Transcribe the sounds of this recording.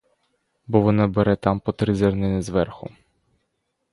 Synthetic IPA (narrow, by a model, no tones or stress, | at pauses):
bɔʋɔnɑbeɾɛt̪ɑmpɔt̪ɾɪzʲɛrnɪnɪzʋɛrxʊ